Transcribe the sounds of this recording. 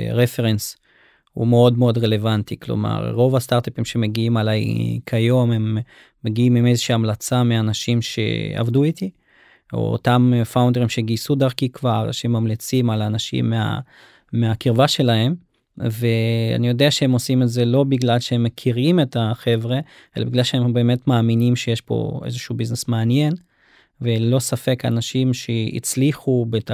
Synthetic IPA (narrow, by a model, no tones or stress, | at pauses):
ʁefe̞ʁens | hṵmeo̞dmeo̞dʁe̞le̞vant̪iklo̞̰ma̰ʁʁo̞vast̪aʁt̪apimʃe̞me̞ɡiimalajkʰajo̞memː | eɡiimimezeʃiamlat͡sameanaʃimʃḛa̰vduit̪i | o̰o̰tamfawndeʁimʃe̞ɡisud̪aʁkikvaʁʃeemːamlit͡simalanaʃḭmːea̰ | meakiʁvaʃe̞laɦem | ve̞a̰nijo̞deaʃehe̞mosimetze̞lo̞biɡlalʃehemːekʰiʁime̞taχe̞vʁe̞ | ʔe̞labiɡlalʃeembeːme̞tmaːminimʃe̞jeʃpo̞̰ḛzeʃubiznesmaanje̞n | ve̞lo̞safe̞ka̰naʃimʃeḭt͡sliχubet